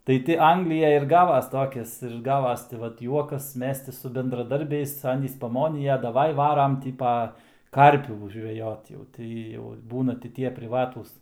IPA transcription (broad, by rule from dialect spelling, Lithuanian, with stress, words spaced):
tɐɪ ˈtʲɪ ˈɐŋɡlʲɪjɛj ɪr ˈɡɑːʋɐs ˈtoːkʲɪs ɪr ˈɡɑːʋɐs tɐɪ ˈʋɐt ˈjuɔkɐs ˈmʲɛs tʲɪ sʊ bʲɛndrɐˈdɐrʲbʲɛɪs ˈɑːnʲiːs ˈpɑːmoːnʲɪjɛ dɐˈʋɐɪ ˈʋɑːrɐm ˈtʲiː pɐ ˈkɐrʲpʲuː ʒʲʋʲɛˈjoːt jɛʊ ˈtɐɪ jɛʊ ˈbuːnɐ tʲɪ ˈtʲiɛ pʲrʲɪˈʋɑːtuːs